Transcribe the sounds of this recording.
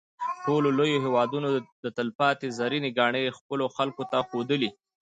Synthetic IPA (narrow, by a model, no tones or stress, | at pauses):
ʈololojoɦewɑd̪unod̪ət̪əlpɑt̪ezaɾineɡɑɳəjxpəloxalkot̪axod̪əli